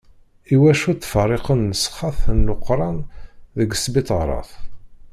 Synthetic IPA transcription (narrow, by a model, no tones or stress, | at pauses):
iwæʃut̪ːfərˤːeqənəsχːɑθənlʊqɾˤɑnðəɡəsbit̪ˤʁɾˤɑ̰θ